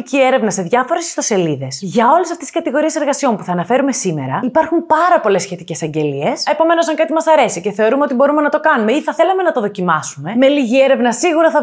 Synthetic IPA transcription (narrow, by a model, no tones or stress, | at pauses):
cieɾe̞vnɐse̞ðʝɐfo̞ɾe̞si̥st̪o̞se̞liðe̞sʝɐo̞lesɐft̪ei̥skɐt̪iɣo̞ɾie̞se̞ɾɣɐsio̞mpuθɐːnɐfe̞ɾume̞sime̞̰ɾɐipɐɾxumpɐɾɐpo̞le̞sçe̞t̪ice̞sɐɲɟe̞lie̞se̞po̞me̞nosɐŋkɐt̪imɐsɐɾe̞siceθe̞o̞ɾumeo̞t̪ibo̞ɾume̞nɐt̪o̞kɐnume̞iθɐθe̞lɐme̞nɐt̪oðo̞cimɐsume̞me̞liʝieɾe̞vnɐsiɣuɾɐθɐ